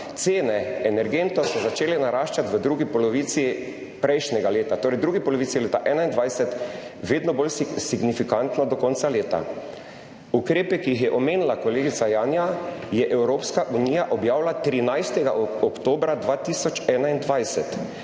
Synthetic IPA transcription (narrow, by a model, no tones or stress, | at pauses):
t̪seːnɛɛnɛɾɡent̪ɔsɔzat͡ʃeːlɛnaɾaːʃt͡ʃat̪ʋəd̪ɾuːɡipɔlɔʋiːt̪si | pɾɛjʃnʲɛɡaleːt̪at̪oːɾɛjd̪ɾuːɡipɔlɔʋiːt̪sileːt̪aʔɛːnaind̪ʋajsɛt̪ʋeːd̪nɔbolsiɡnifikant̪nɔd̪ɔkɔnt̪saleːt̪a̰ | ukɾeːpɛkijixjɛʔɔmeːnilakɔleːɡit̪sajaːnjajɛʔɛwɾoːpskaʔuniːjaʔɔbjaːwlat̪ɾinajst̪ɛɡaɔkt̪oːbɾad̪ʋaːt̪isɔt͡ʃɛːnaind̪ʋajsɛt̪